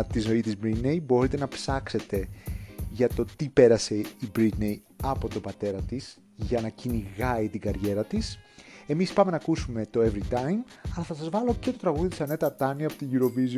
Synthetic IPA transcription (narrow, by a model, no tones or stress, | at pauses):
t̪izno̞it̪izbɾinejbo̞ɾit̪e̞nɐpsɐkse̞t̪e̞ʝɐt̪o̞t̪ipe̞ɾɐse̞ibɾit̪nej | ɐpo̞t̪o̞bɐt̪e̞ɾɐt̪is | ʝɐnɐciniɣɐit̪iɡɐɾʝe̞ɾɐt̪ise̞mispɐme̞nɐkusume̞t̪o̞e̞vɾit̪ɐjmɐlɐθɐsɐzvɐlo̞ce̞t̪o̞t̪ɾɐɣuðit̪isɐne̞t̪ɐt̪ɐniɐpo̞̥t̪iʝuɾo̞viz